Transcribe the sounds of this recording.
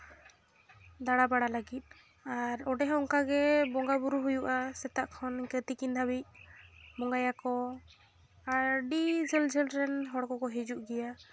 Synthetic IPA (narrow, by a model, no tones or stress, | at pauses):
d̪aɽabaɽalaɡit̪̚ˀ | aɾɔɖɛɦɔŋkaɡɛbɔŋɡabuɾuɦujuʔasɛt̪aʔkʰɔnkət̪ikind̪ʱabic̚mɔŋɡajakɔ | aɾɖid͡ʒəld͡ʒilɾɛnɦɔɽkɔkɔɦid͡ʒuʔɡɛja